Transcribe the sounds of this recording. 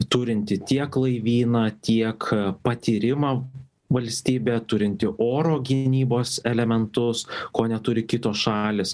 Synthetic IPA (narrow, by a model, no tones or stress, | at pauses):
t̪ʊɾʲɪnʲt̪ʲɪt̪ʲiɛklˠɐɪʋʲiːnɐt̪ʲiɛkpɐt̪ʲiːɾʲɪmɑː | ʋɐlʲsʲt̪ʲiːbʲɛːt̪ʊɾʲɪnʲt̪ʲɪʔoːɾoːɡʲɪnʲiːboːsɛlʲɛmʲɛnt̪ʊskoːnʲɛt̪ʊɾʲɪkʲɪt̪oːsʃɑːlʲɪs